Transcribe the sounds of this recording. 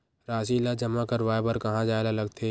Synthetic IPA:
ɾaːʃilad͡ʒɐmakəɾʋaːebəɾkɐɦãd͡ʒaːelalɐɡt̪ʰe

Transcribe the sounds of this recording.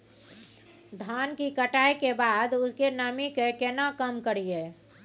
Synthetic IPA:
d̪ʱaːnkikəʈaːekebaːd̪ʊskenamikekɛːnakəmkəɾieː

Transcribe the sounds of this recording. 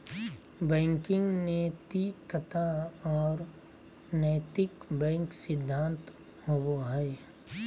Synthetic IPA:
bɛ̃ːŋkɪ̃ŋɡnet̪ikət̪aɔːɾ | nɛːt̪ɪkbɛ̃ːŋksɪd̪ʱːãːnt̪ | howoɦɛː

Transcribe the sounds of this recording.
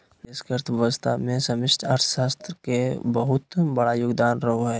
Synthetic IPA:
ɪskeəɾt̪ʰbəst̪ʰa̰mẽsɐmɪsʈəɾt̪ʰʃaːst̪ɾəkebəɦʊt̪bɐɽajʊɡd̪aːnɾɐɦoɦɛː

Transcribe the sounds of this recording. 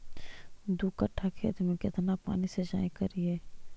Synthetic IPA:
d̪uːkəʈʰːakʰḛt̪mekɪt̪napa̰ːnised͡ʒa̰ːẽkɐɾieː

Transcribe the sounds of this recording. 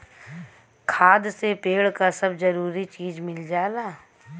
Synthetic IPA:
kʰaːd̪sepeːɭkasɐbzɐɾuːɾit͡ʃiːd͡ʒmɪld͡ʒaːlaː

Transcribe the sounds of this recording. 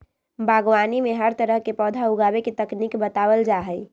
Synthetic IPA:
bʱaɡwanimeɦəɾt̪əɾəɦkepɔːd̪ʱauɡabeket̪əknikbət̪awəld͡ʒaɦəj

